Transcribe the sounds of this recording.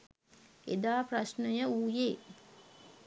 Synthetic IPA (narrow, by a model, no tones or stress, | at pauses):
ḛd̪aːprasnəjəuːjeː